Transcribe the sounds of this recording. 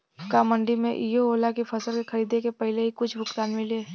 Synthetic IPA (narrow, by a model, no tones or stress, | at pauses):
kamə̃ɳɖimḛ̃ʔijooːlakifʰɐsəlkexɐɾiːd̪ẽkepɐɦɪleɦikʊt͡ʃʰbʱʊkt̪aːnmɪleː